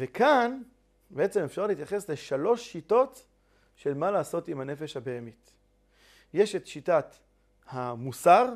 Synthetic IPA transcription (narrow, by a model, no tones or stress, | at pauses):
vekʰan | beʔe̞t͡semefʃaʁleit̪jaχe̞sle̞ʃalo̞ʃːito̞t | ʃe̞lmalaːso̞timane̞feʃhabeemit | je̞ʃetʃitat | hamusaʁ